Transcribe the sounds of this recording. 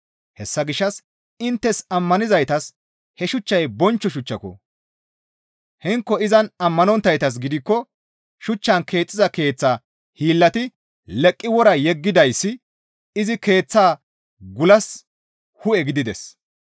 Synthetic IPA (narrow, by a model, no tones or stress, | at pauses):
hɛsːɐɡɪʃːɐs | ɪnt̪ːɛsɐmːɐnɪzɐjt̪ɐs | hɛʃʊt͡ʃːɐjbɔnt͡ʃːɔʃʊt͡ʃːɐkɔ̰ | hɪŋkːɔɪzɐnɐmːɐnɔnt̪ːɐjt̪ɐs̬ɡɪd̪ɪkːɔ | ʃʊt͡ʃːɐnkʰe̞ːt͡sʼːɪzɐke̞ːt͡sːaː | hiːlːɐt̪ɪ | lɛkʼːɪwɔɾɐjɛɡːɪd̪ɐjsːɪ | ɪzɪke̞ːt͡sːaː | ɡʊlɐs | hʊɛɡɪd̪ɪd̪ɛs